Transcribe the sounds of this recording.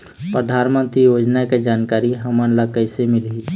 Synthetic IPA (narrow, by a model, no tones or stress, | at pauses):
pɾəd̪ʱaːnmə̃nt̪ɾijod͡ʒnaked͡ʒankaɾiɦəmənləkəɪsemɪlɦi